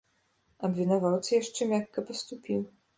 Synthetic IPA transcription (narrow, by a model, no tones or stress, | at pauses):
ɐbvʲɛnavawt̪sɐjaʂt͡ʂɛmʲakːɐpɐst̪upʲiw